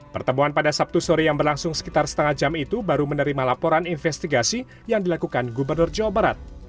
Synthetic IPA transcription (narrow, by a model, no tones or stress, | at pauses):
pərt̪əmuanpadasap̚t̪usoɾijaŋbərlaŋsʊŋsə̥kit̪arsə̥t̪əŋad͡ʒamit̪ubaɾumənəɾimalapɔɾaninfɛst̪iɡasi | jaŋdilakukanɡubərnʊrd͡ʒawabaɾat̪̚